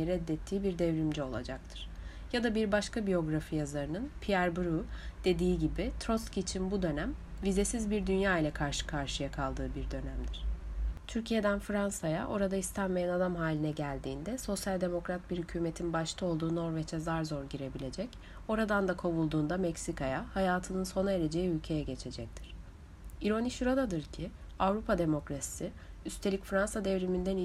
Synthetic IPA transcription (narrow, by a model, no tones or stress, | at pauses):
ɾɛd̪ːɛt̪ʰːiːbiɾd̪ɛvɾimd͡ʒɛo̞lˠa̰d͡ʒak̚t̪ʰɯ̥ɾ̥ | jad̪abiɾbaʃkabijo̞ɡɾafijazaɾɯnɯnpʰijæɾbuɾud̪̥e̞d̪iːɟibit̪ʰɾo̞scit͡ʃʰinbud̪ø̞næmvize̞sizbiɾd̪ynjaːilʲɛkʰaɾʃɯ̥kʰaɾʃɯjakʰalˠd̪ɯːbiɾd̪ø̞næmd̪iɾ̥t̪ʰyɾcʰije̞d̪ænfɾansaja̰ʔo̞ɾad̪aist̪ʰænme̞jænad̪amɦaːlʲinɛɟælʲd̪iːnd̪ɛso̞sjalʲd̪e̞mo̞kɾat̪̚biɾhycʰyːmet̪ʰinbaʃt̪ʰˠao̞lˠd̪uːno̞ɾvɛt͡ʃʰɛzaɾzo̞ɾɟiɾe̞bilʲe̞d͡ʒɛc | o̞ɾad̪and̪akʰo̞βulˠd̪uːnd̪amɛcsikʰajahajaːt̪ʰɯnɯnso̞naeɾe̞d͡ʒe̞jiylʲcʰe̞jɛɟe̞t͡ʃʰe̞d͡ʒɛc̚t̪ʰiɾ̥ | iɾo̞niʃuɾad̪ad̪ɯɾcʰɪ | avɾupʰad̪e̞mo̞kɾasi̥siyst̪ʰe̞lʲicfɾansad̪evɾimind̪æn